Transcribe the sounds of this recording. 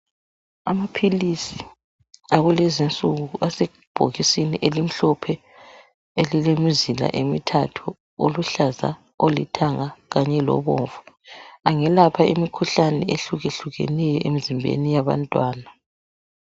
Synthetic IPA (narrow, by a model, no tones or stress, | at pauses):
amapʰilisi | aɣulezint͡sʼuɣuʔase | b̥ʱo̰ɣisiniʔelim̩ɬɔpʰɛ | elilemizila̰ʔemitʰatʰu | oluɬaza̰ | olḭtʰaŋaɣaɲɛlɔ̰βo̰ːɱvu | aŋɛlapʰaʔimikʰuɬanɛeɬuɣeɬuɣɛ̰nɛjɔʔemizimbʱḛnijaβa̰ntʼwaːna